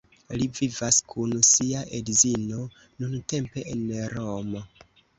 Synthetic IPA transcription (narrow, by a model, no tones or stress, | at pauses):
livivaskʰunsiaʔedzino̞ | nunte̞mpe̞ʔenɾo̞mo